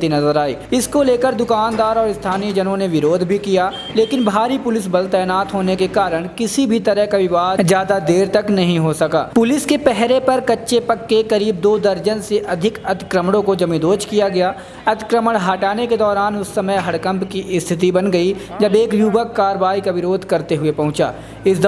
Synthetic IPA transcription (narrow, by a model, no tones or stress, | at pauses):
t̪inɐzəɾaːḭːɪskoleːkəɾd̪ʊkaːnd̪aːɾɔːɾɪst̪ʰaːnid͡ʒɐnõneʋɪɾoːd̪ʱbʱikija | leːkɪnbʱaːɾipʊlɪs̬bɐlt̪ɛːnaːt̪ɦoːnekekaːɾəɽ̃kɪsibʱit̪ɐɾəɦkaʋɪʋaːd̪d͡ʒjaːd̪ad̪eːɾt̪ɐknɐɦĩɦosɐka̰ːpʊlɪskepɛɦɾepɐɾkɐtːʃepɐkːekɐɾiːb̚d̪oːd̪ɐɾd͡ʒənseʔɐd̪ʱɪkɐt̪ɪ̥kɾəmɽ̃õkod͡ʒɐmid̪oːt͡ʃkijaɡɐjaː | ɐt̪ɪ̥kɾəməɽ̃ɦaːʈaːneked̪ɔːɾaːnʊsːɐməjɦɐɽkə̃mpkiʔɪst̪ʰɪt̪̬ibɐnɡɐid͡ʒɐbeːkjuːʋəkːaːɾəʋaːikaʋɪɾoːd̪ʱkɐɾt̪eɦʊepɐ̃ɦʊ̃t͡ʃa̰ː | ɪsd̪